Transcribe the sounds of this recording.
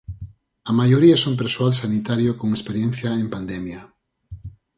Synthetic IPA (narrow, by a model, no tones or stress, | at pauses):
ɐmajoɾiɐsomp̬eɾsoalsanit̪aɾjokoŋespeɾjẽn̟θjɐempand̪emjɐ